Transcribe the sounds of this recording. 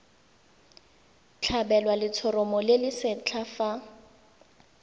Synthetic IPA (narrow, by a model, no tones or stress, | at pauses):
t͡ɬʰabɛlwalɪt͡sʰɔɾɔmɔlɪlɪsɪt͡ɬʰafa